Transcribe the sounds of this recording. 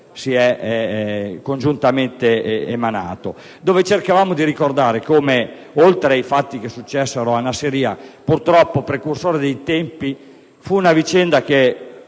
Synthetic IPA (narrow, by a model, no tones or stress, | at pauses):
siɛ | kond͡ʒunt̪ament̪ḛːmana̰ːt̪o | d̪oːvet͡ʃerkavaːmod̪iɾikord̪aːɾekoːme | olt̪ɾeajfat̪ːik̟esːut͡ʃːɛsːeɾoanaseɾiːapurt̪ɾɔpːopɾekursoːɾed̪ejt̪ɛmpi | funavit͡ʃɛnd̪ak̟e